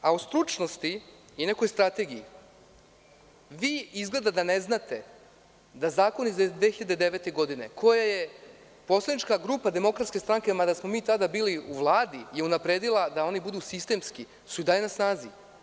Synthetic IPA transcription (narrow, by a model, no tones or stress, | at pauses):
aust̪ɾut͡ʃno̞st̪i | ine̞ko̞jst̪ɾat̪e̞ɡiji | ʋiːizɡle̞d̪ad̪ane̞znat̪e̞ | d̪azaːko̞nizd̪ʋe̞ːxiʎad̪ed̪eʋe̞t̪e̞ɡo̞d̪ine̞̰kʰo̞jaje̞ | po̞slˠad̪it͡ʃkaɡɾuːpad̪e̞mo̞kɾat̪skʲest̪ɾaŋke̞mad̪asmo̞miːt̪ad̪abiːliuʋlˠaːd̪ijeunapɾe̞ːd̪ilˠad̪ao̞nibud̪usist̪e̞mski | sujd̪alinasnaːzi